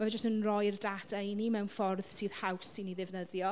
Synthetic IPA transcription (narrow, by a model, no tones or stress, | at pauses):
maɛd͡ʒəstənrɔjrdadajnimɛwnfɔrð̥siːð̥hawsiniðɪvnəðjɔ